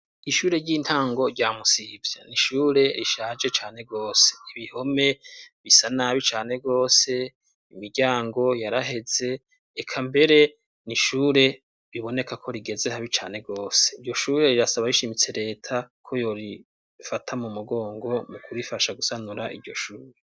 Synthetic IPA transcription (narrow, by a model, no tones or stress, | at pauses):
iʃuːɾe̞ɾɟiːnthaːŋɡo̞ɾɟaːmusivjaniʃuːɾe̞ɾiʃaːd͡ʒe̞t͡ʃaːne̞ɡo̞ːse̥iβiho̞me̞βisanaβit͡ʃaːne̞ɡo̞ːse̞ | imiɾɟaːŋɡo̞jaɾaɦe̞ze̞ː | kʰambe̞ɾe̞ | niʃuːɾe̞ | ɾiβo̞ne̞kakʰo̞ɾiɡe̞zehaβit͡ʃaːne̞ɡo̞ːseiɾɟo̞ʃuːɾe̞ɾiɾasaβaɾiʃimit͡se̞ɾe̞ːtʰakʰo̞jo̞ɾi | fatʰamumuɡo̞ːŋɡo̞mukuɾifaʃaɡusanuɾaʔḭɾɟo̞ʃuːɾe